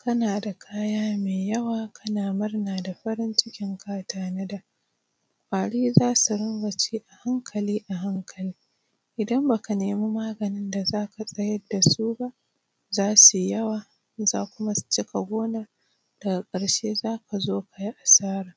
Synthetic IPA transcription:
kɐ˦naː˨da˨kʰaː˦jaː˦meː˨jɐ˦waː˨kʰɐ˦naː˨mɐ˦rnaː˨da˨ɸɐ˦ɾɪ˦nt͡ʃɪ˦kʲɪ˦ŋkʰaː˦taː˦nɐ˦da˨ | kʷʼaː˨ɽiː˦zaː˦su˨ɾʊ˦ŋɡɐ˨t͡ʃeː˦ʔa˨ha˦ŋkʰɐ˨liː˦ʔa˨ɦa˦ŋkʰɐ˨liː˦ | ʔɪ˨dɐ˦mba˨ka˨neː˨mu˦maː˦ɡɐ˨nɪ˦nda˨zaː˦ka˨sʼɐ˦jɐ˦dːa˨suː˦ba˦ʔ | zaː˦su˨jɐ˦waː˨ | za̰ː˦kʷʊ˦ma˦st͡ʃɪ˦ka˨ɡʷoː˦naː˨ | d̥ɐ˨ɡa˨kʼɐ˨ɽʃeː˦zaː˦ka˨zoː˦ka˨ji˦ʔa˨saː˦ɾaː˨

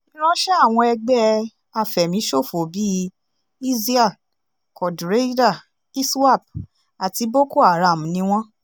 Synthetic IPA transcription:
ĩ˦ɾ̃ã˦ʃɛ˦a˦˨w̃ɔ̃˧ɛ˧ɡ͡bɛ˧˦ | a˧˨fɛ˨mĩ˨˦ʃo˦˨fo˨bi˦ | i˦zi˦a˦˨ | kɔ˨dɾe˦da˦˨ | i˦swa˦˨b̚ | a˨ti˧˦bo˦ko˦˨a˨ɾa˨m̩˨nĩ˨˦w̃ɔ̃˦

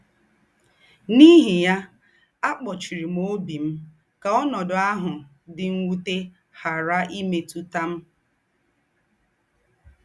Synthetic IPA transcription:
ni˦ɦi˨ja˦ | a˦k͡pɔ˨t͡ʃi˨ɾi˨m̩˦o˦bi˨m̩˦ | ka˨ɔ˦nɔ˨dʊ˨a˦ɦʊ˨ | dɪ˨ŋ̩˦ŋʷu˦te˦ | ha˨ɾa˦ʔi˦me˨tu˦ta˦m̩˦

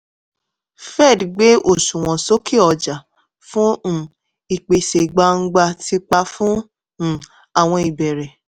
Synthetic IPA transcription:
fɛ˦˨dɡ͡be˦ʔo˦˨ʃũ˨w̃ɔ̃˨so˦ki˦ɔ˨d͡ʒa˨ | fũ˦˨ | i˨k͡pe˨se˨ɡ͡ba˧˦ŋ̩˦ɡ͡ba˧ti˧k͡pa˧fũ˦˨ | a˨w̃ɔ̃˧i˨bɛ˨ɾɛ˨

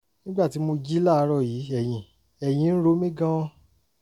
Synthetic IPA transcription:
nĩ˦ɡ͡ba˦˨ti˨˦mo˧d͡ʒi˦la˦˨˧ɾɔ˦˨jiː˨˦ɛ˦˨j̃ĩ˨ | ɛ˨j̃ĩ˨˦n̩˦ɾo˦mĩ˦ɡã˦ɔ˦

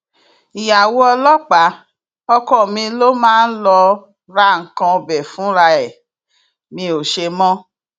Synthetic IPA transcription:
i˨ja˨wo˦ɔ˧lɔ˦k͡pa˨˦ | ɔ˧kɔ˦˨mĩ˧lo˦mãː˦n̩˦lɔ˧ | ɾa˦ŋ̩˨kã˧o˧bɛ˨fũ˨˦ɾa˧ɛ˨ | mĩ˧˦o˨ʃe˧mɔ̃˦

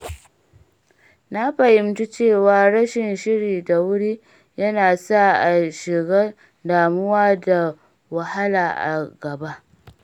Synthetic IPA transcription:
na˦ɸɐ˨jɪ˨mtu˦t͡ʃeː˦˨waː˦ɽɐ˦ʃɪ˨nʃɪ˦ɽiː˨da˨wʊ˦ɽiː˦ | jɐ˦naː˨sa˦˨ʔa˨ʃɪ˨ɡaː˦ | daː˨mʊ˦waː˦da˨ | wa˨ha˦laː˨ʔa̰˨ɡɐ˨ba˦ʔ

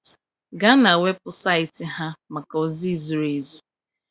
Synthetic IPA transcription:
ɡa˦na˨we˦p̚ʊ˦sa˦˨ɪ˨tɪ˨ɦa˦ma˨ka˨o˦zi˦˨zu˨ɾe˦zu̥˦

